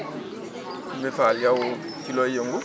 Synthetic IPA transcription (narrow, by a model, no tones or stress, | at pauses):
mefaljawo | kilɔjeŋɡu